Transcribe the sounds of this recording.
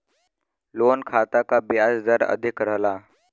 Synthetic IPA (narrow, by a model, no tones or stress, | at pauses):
lonkʰat̪akabjad͡zd͡zəɾə̰d̪ʱikɾəɦla